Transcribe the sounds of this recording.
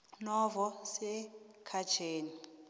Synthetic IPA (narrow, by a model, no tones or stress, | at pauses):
nɔvɔsɛkʰḁt͡ʃʰeːni